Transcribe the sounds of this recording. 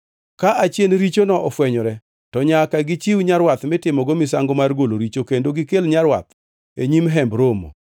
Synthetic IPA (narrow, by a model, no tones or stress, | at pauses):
kaʔat͡ʃjenɾit͡ʃonɔʔɔfwɛɲɔɾɛ | tɔɲakaɡɪt͡ʃiwɲaɾwat̪mɪtɪmɔɡomɪs̬aŋɡomarɡoloɾit͡ʃokendoɡɪkelɲaɾwa̰t̪ | eɲimɦɛmbɾomo̰